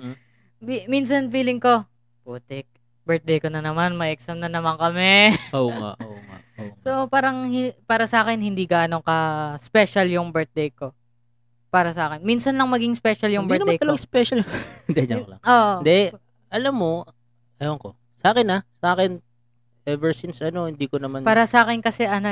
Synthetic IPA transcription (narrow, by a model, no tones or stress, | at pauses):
bimins̬ɐnfiːlɪŋko̞ | puːt̪ɪk̚ | bɛɹt̪̚d̪ejkonɐnɐmanmɐʔɛksɐmnɐnɐmɐŋkɐmɛoŋa̰oa̰sopaːɾɐŋhpaːɾɐsɐʔaːkɛnɦɪnd̪iːɡaːno̞ŋkɐspɛʃɐljʊŋbɛɹt̪̚d̪ejko̞ | paːɾɐsɐʔaːkɛnminsɐnlɐŋmɐɡiŋspɛʃɐljʊŋbd̪ɛt̪ɐmd̪aejt̪ɐloɡaspɛʃɐld̪ɛd͡ʒɐklɐ̰oːʔod̪ɛ | ʔɐlamːo | ɐjoŋko | sɐʔaːkɪnasɐʔaːkɛn | ʔɛvɛɹsɪnsʔɐnohɪnd̪iːkonɐmanpaːɾɐsɐʔaːkɪnkɐsɛʔɐnɐ